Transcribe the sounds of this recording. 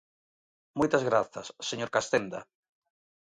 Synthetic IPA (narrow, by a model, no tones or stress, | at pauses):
mojt̪azɣɾaθɐsːeɲoɾkast̪end̪ɐ